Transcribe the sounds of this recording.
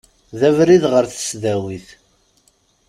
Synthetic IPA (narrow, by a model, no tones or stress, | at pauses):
ðævɾiðʁəɾθə̥sðæwiθ